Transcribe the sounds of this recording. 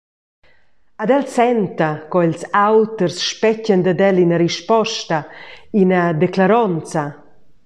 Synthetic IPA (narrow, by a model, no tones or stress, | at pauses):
ad̪ɛlsɛnt̪akɔilsawt̪əɾsʃpɛcənd̪ad̪ɛlinəɾiʃpɔʃt̪ainad̪ɛklaɾɔnt͡sa